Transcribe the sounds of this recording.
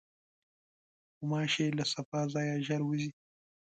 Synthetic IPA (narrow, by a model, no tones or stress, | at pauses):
xʊmɑːʃelasɐfaːzaːjaʒɐɾwuzi